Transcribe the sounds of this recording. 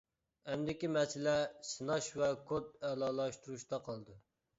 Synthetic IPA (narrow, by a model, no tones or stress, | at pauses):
ɛmd̪ɪkʲimɛsɪlɛsɨnɑʃvɛkʰot̪̚ɛlˠɑːlˠɑʃt̪uɾuʃt̪ɑqʰɑlˠd̪ɨ